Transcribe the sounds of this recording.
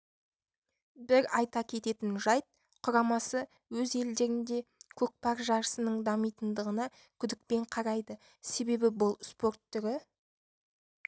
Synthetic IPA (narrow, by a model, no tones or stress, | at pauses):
bɪɾɑjt̪ɑkʲʰe̞t̪e̞t̪ɪnʒɑjt̪̚ | qʰʊɾɑmɑsə | wɵze̞ld̪e̞ɾɪnd̪e̞kʲʰɵk̚pɑɾʒɑɾəsənəɴd̪ɑmijt̪ənd̪əʁənɑ | kʲʰʏd̪ɪk̚pe̞ɴqʰɑɾɑjd̪ə | se̞be̞bɪbʊlˠspo̞ɾt̪ːʏɾɪ